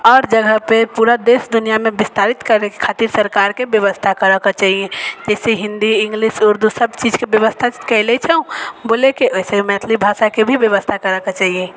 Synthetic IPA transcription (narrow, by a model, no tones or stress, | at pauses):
ɔːɾd͡ʒəɡʱəpepuɾad̪esd̪unijamebist̪aɾit̪kəɾekkʰat̪iɾsəɾkaɾkebjəʋəst̪ʰakəɾəket͡ʃaɦiẽd͡ʒɛseɦĩnd̪iĩŋɡliʃuɾd̪ʱusəbt͡ʃid͡ʒkebjəʋəst̪ʰakəɪlɛt͡ʃʰɛũbolekeʔoisemɛt̪ʰlibʱasakebʱibjəʋəst̪ʰakəɾəket͡ʃaɦiẽ